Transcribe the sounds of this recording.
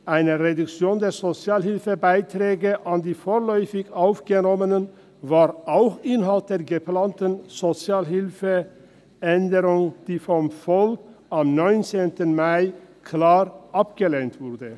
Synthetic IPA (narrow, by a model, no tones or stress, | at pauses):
ʔaɪnəʁedʊkt͡sjoːndeːɐzot͡sjaːlhɪlfəbaɪtʁɛːɡəʔandiːfoːʁlɔʏfɪçaʊfɡ̥ənɔmənən | vaːʁʔaʊxʔɪnɦalt̚d̥eːɐɡəplaːntənz̥ot͡sjaːlɦɪlfə | ʔɛndəʁʊŋd̥iːfɔmfɔlkʔamnɔʏnt͡seːntənmaɪkʰlaːʁʔapɡ̥əleːntv̥ʊʁdə